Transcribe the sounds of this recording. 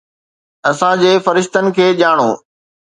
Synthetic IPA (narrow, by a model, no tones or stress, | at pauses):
ɐsãd͡ʑeːfɐɾɪʃt̪ənɪ̆kʰeːʄaːɽ̃oː